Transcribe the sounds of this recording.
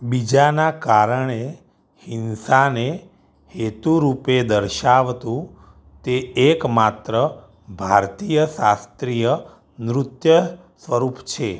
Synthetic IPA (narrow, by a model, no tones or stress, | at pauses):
bid͡ʒanakaɾəɳe | hinsane | het̪uɾuped̪əɾʃaʋt̪ũ | t̪eekmat̪ɾə | bʱaɾt̪ijəsast̪ɾijə | nɾʊt̪jə | sʋəɾupt͡ʃʰe